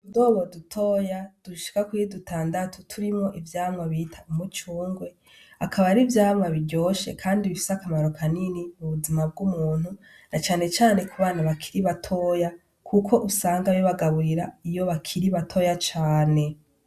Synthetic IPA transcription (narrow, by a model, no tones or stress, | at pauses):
udoːβodutʰo̞ːjad̥uʃi̥kakwiidutʰaːndatʰutʰuɾimŋo̞ʔivjaːmŋaβitʰaumut͡ʃuːŋɡwe̞ | a̰kʰaβaɾivjaːmŋaβiɟo̞ːʃḛkʰaːndiβifi̥sakamaɾo̞kaninimuβuzimab̚ɡumuːn̥u | nat͡ʃaːne̞t͡ʃaːne̞kuβaːnaβakʰiɾiβatʰo̞ːja | kʰukʰo̞ʔusaːŋɡajoβaɡaβuɾiɾaijo̞βakʰiɾiβatʰo̞ːjat͡ʃaːne̞